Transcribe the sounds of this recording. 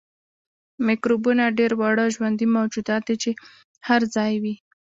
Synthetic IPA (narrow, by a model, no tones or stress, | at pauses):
mɪkɾobunaɖeɾwɑɽəʒwand̪imawd͡ʒud̪ɑt̪̚d̪et͡ʃe | haɾzɑjwi